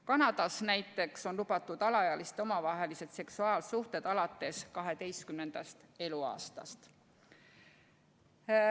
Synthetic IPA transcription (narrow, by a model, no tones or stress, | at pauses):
kɑnɑd̪̥ɑsnæjt̪ːˑe̞kso̞nlub̥ɑt̪ːˑud̪̥ɑlɑjɑlist̪o̞mɑvɑɦe̞lise̞d̪̥se̞ksuɑːlsuht̪e̞d̪̥ɑlɑt̪ˑːe̞skɑɦe̞d̪e̞jst̪kymne̞nd̪̥ɑst̪e̞luɑ̰ːst̪ɑ̰st̪